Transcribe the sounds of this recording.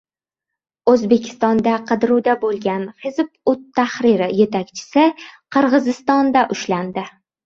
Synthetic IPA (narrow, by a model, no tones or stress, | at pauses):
ɵzbe̞kʲʰɪ̥st̪ɒnd̪aqʰɨd̪ɾud̪abolˠɡʲanχɪzpʊt̪ʰːaχɾɪɾɪje̞t̪ʰakʲt͡ʃʰɪ̥sɪqʰɨɾʁɨzɪst̪ɒnd̪aʔʊʃland̪ɪ